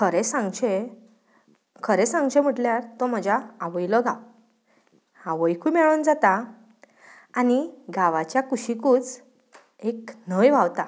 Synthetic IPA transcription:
kʰəɾɛesãŋɡt͡ɕe | kʰəɾɛsãŋɡt͡ɕem̤əʈljaɾt̪ɔm̤əd͡ʑaːʋəjlɔɡaw | hãʋəjkʰumɛɭənd͡zat̪a | niɡaʋat͡ɕjakuɕikuːt͡s | eknəjʋawt̪a

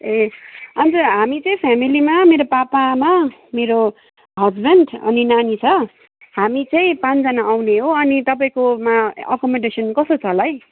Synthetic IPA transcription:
eʌnt̪ʌɦamit͡sʌĩpʰamilimameɾopapamameɾo | ɦʌd͡zbeɳɖʌ̰ninanit͡sʰʌ | hamit͡sʌĩpãnt͡sd͡zʌnaːwneɦoʌnit̪ʌp̬aĩkomaʌ̰kʌmʌɖesʌnkʌst̪ot͡sʰʌlaj

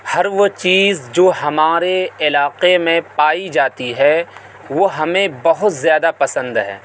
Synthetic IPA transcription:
hɐɾʋot͡ʃiːzd͡ʒoːɦɐmaːɾeɪlaːqemẽpaːid͡ʒaːt̪iɦɛː | ʋoɦɐmẽbɐɦʊt̪zjaːd̪apɐsə̃nd̪ɦɛ̰ː

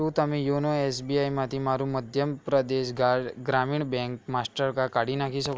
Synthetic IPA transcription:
ut̪amiːjonoesbiajmat̪iːmaɾũːməd̪ʱjəmpɾəd̪eɕɡaɡɾamiːɳbɛ̃ŋkmasʈəɾkakaɽ̤iːnakʰiːsək

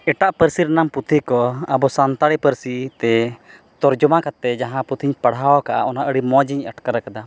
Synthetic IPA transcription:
ɛʈaʔpəɾsiɾnamput̪ʰikɔabɔsant̪aɽipəɾsit̪ɛ | t̪ɔɾd͡ʒɔmakat̪ɛd͡ʒaɦãput̪ʰiɲpaɽaɔkaʔa̰ʔɔnaʔəɽimɔd͡ʒiɲəʈkaɾakad̪a

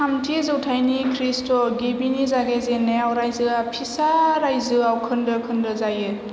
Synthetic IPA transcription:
amtʰizɯwtʰajnikʰɾistɔɡebinizaɡazenːeawɾajzɯapʰisaɾajzɯawkʰɯndɯkʰɯndɯzajɯ

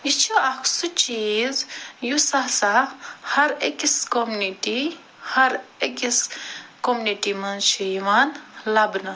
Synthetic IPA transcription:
it͡ʃʰuakʰsut͡ʃiːzjusasahɐɾekʲiskomuniʈi | hɐɾekiskomuniʈimɐnt͡ʃʰijiʋanlɐbnɐ

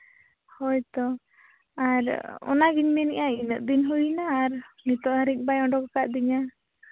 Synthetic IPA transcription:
hɔjt̪ɔ | aɾɔ̰naɡiɲmɛniʔainəʔ̚d̪inɦujnaːɾmit̪ɔhəɾik̚bajɔɳɖɔkakaʔd̪iɲa

